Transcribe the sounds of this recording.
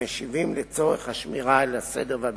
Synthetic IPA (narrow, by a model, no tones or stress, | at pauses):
eʃivimlet͡so̞ʁeχhaʃmiʁaelasedeʁveab